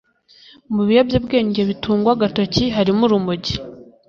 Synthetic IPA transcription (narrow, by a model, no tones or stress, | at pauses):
muβijabjobɡe̞ːɲɟe̞βituːŋɡwaɡatociɦaɾimuɾumuɟi